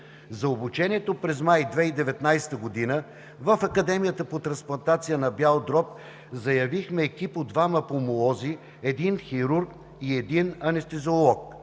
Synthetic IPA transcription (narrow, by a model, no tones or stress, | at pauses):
zɐobut͡ʃɛniɛt̪opɾɛzmajd̪vɛid̪ɛvɛt̪najsɛ̥t̪əɡod̪inə | vəfɐkɐd̪ɛmijət̪əpot̪ɾɐ̃nsplˠɐnt̪at̪sijənɐbjalˠd̪ɾɔp̚ | zɐjɐvixmɛːkipod̪vamɐpomoɔzi | ɛd̪inxiɾuɾk | iɛd̪inɐnɛst̪ɛzolˠɔk̚